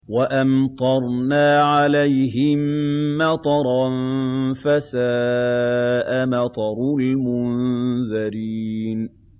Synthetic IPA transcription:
waʔamt̪ˤɑɾˤnaːʕalajɦɪmːɑt̪ˤɑɾˤɑnfasaː | ʔamɑt̪ˤɑɾˤlmʊnðaɾiːn

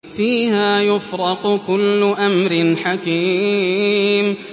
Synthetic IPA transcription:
fiːhaːjʊfɾɑqkʊlːʊʔamɾɪnħakiː | m

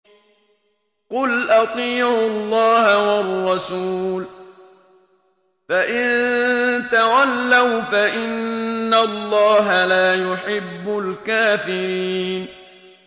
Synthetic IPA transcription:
qʊlʔɑt̪ˤiːʕʊlːɑːhawɑrˤːɑsuːl | faʔɪnt̪awalːawfaʔɪnːalˤːɑːɦalaːjʊħɪbːʊlkaːfɪɾiːn

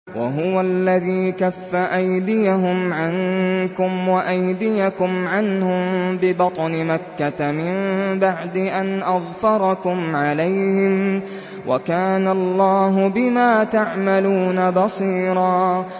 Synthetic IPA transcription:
wa̰ɦʊwalːaðiːkafːaʔajd̪ɪjaɦʊmʕaŋkʊmwaʔajd̪ɪjakʊmʕanhʊmbɪbɑt̪ˤnɪmakːat̪amɪmbaʕd̪ɪʔanʔɑðˤfɑɾˤɑkʊmʕalajhɪm | wʔa̰kaːnalˤːɑːɦʊbɪmaːt̪aʕmaluːnabɑsˤiːɾˤɑː

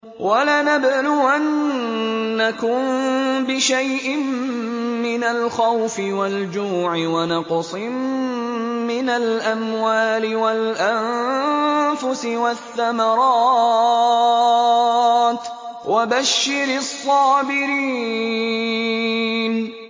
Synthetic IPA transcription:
wʔalaːnabnuʔanː | akʊmbɪʃajʔɪmː | ɪnalxawfɪwald͡ʒuːʕɪwanɑqsˤɨmː | ɪnalʔamwaːlɪwalʔam | fʊsɪwaθːamɑɾˤɑː | t̪ | wʔabaʃːɪɾsˤːɑːbɪɾiː | n

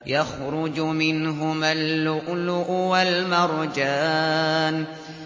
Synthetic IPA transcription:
jaxɾʊd͡ʒmɪnɦʊmalːʊʔlʊʔwalmɑɾˤd͡ʒaːn

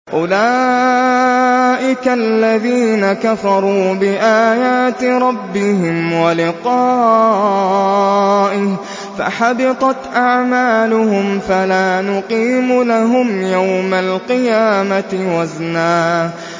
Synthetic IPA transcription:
ʔʊlaː | ʔɪkalːaðiːnakafɑɾˤuːbɪʔaːjaːt̪ɾˤɑbːɪɦɪmwalɪqɑː | ʔɪh | fa̰ħabɪt̪ˤɑt̪ʔaʕmaːlʊɦʊmfalaːnʊqiːmulaɦʊmjawmalqɪjaːmat̪ɪwaznaːʔ

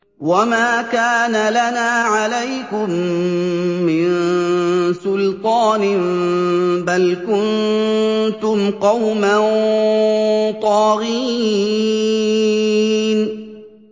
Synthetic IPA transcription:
wamaːkaːnalanaːʕalajkʊmː | ɪn | sʊlt̪ˤɑːnɪ | balkʊn | t̪ʊmqɑwman | t̪ˤɑːɣiː | n

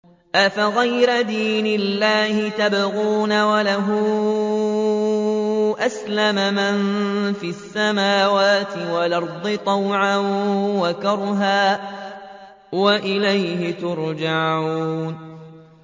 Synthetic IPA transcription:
ʔafaɣajɾad̪iːnɪlːaːhɪt̪abɣuːnawalaɦʊ | ʔaslamamanfiasːamaːwaːt̪ɪwalɑɾˤd̪ˤɨt̪ˤɑwʕawakɑɾˤɦaː | waʔɪlajhɪt̪ʊɾˤd͡ʒaʕuuːn

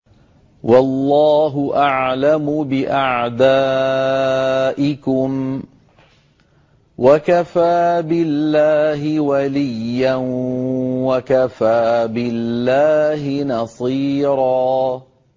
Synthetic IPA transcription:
wɑlˤːɑːɦʊʔaʕlamʊbɪʔaʕd̪aː | ʔɪkʊm | wakafaːbɪlːaːɦɪwalijːan | wakafaːbɪlːaːhɪnɑsˤiːɾˤɑː

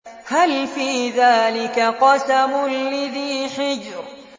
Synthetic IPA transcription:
halfiːðaːlɪkaqɑsamʊlːaðiːħɪd͡ʒɾ

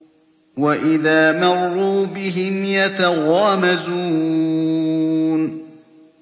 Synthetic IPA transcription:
waʔɪðaːmɑrˤːuːbɪɦɪmjat̪aɣɑːmazuː | n

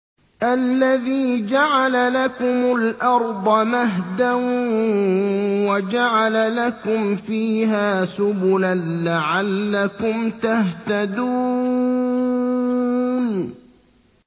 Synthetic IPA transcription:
ʔalːaðiːd͡ʒaʕalalakʊmʊlʔɑɾˤd̪ˤɑmaɦd̪an | wad͡ʒaʕalalakʊmfiːɦaːsʊbʊlanlaʕalːakʊmt̪aht̪ad̪uː | n

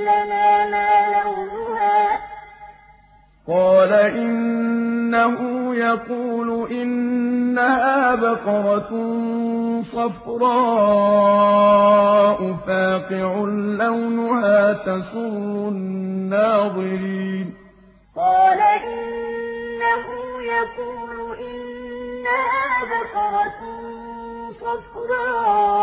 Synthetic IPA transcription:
lanaːmaːlawnʊhaː | qɑːlaʔɪnː | aɦʊjɑquːlʊʔɪnːahaːbaqɑɾˤɑ | sˤɑfɾˤɑː | ʔʊfaːqɪʕʊlːawnʊhaːt̪asʊɾːʊnːaːðˤɨɾiːn | qɑːlaʔɪnnːahʊjɑquːlʊʔɪnːahaːbaqɑɾˤɑ | sˤɑfɾˤɑː

